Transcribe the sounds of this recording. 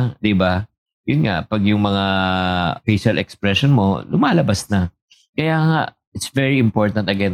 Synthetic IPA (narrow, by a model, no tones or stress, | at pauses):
d̪ɪba | jʊnŋa̰ʔpɐɡjʊŋmɐŋa | fejʃɐlʔɛkspɹɛʃonmo̞̰lʊmaːlɐbasnɐ | kɐjaːŋa̰ʔ | ɪt̪svɛɹiɪmpo̞ɹt̪ɐnt̪ɐɡɛn